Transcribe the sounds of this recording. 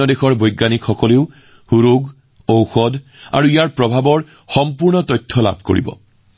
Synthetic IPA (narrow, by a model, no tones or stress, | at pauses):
ɔdexɔɹbojɡːanikxɔkɔleʊ | huɹuɡ | owxɔda̰ɹuijaɹpɹɔbʱabɔɹ | xɔmpuɹnɔtɔjtʰːɔla̰bʱko̰ɹḭbɔ̰